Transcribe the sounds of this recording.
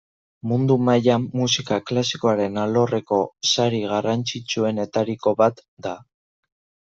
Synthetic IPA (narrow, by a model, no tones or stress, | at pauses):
mund̪umajaːusikaklasikoaɾe̞nalo̞re̞ko̞saɾiɣ̞arant͡sit͡sue̞ne̞t̪aɾiko̞βat̪d̪a